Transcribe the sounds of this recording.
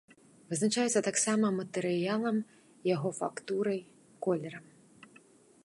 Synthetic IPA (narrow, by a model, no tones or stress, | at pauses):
vɨznat͡ʂajɛt̪sɐt̪aksamɐmɐt̪ɛɾɨjalˠɐm | jaɣɔfa̰kt̪uɾɐj | kɔlʲɛɾɐm